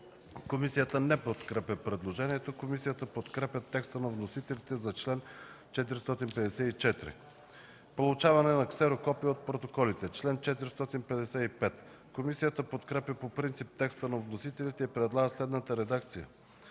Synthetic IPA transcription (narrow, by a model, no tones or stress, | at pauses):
komisijət̪ənɛpot̪kɾɛpʲəpɾɛd̪lˠoʒɛnʲiɛt̪okomisijət̪əpot̪kɾɛpʲjət̪ːɛkst̪ənɐvnosit̪ɛlit̪ɛzɐt͡ʃlɛn | t͡ʃɛt̪iɾist̪ɔt̪inpɛd̪ɛsɛit͡ʃɛt̪ɾḭ | polˠʊt͡ʃavɐnɛnɐksɛɾokɔpijəot̪̚pɾot̪okɔlit̪ɛt͡ʃlɛnt͡ʃɛt̪iɾist̪ɔt̪inpɛd̪ɛsɛipɛt̪ | komisijət̪əpot̪kɾɛpʲjəpopɾint̪sip̚t̪ɛkst̪ənɐvnosit̪ɛlit̪ɛipɾɛd̪lˠaɡəslɛd̪nət̪əɾɛd̪akt̪sijə̰